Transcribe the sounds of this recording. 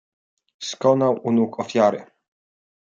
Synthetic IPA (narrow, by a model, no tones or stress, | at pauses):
skɔnawʔunukɔfʲjaɾɘ̰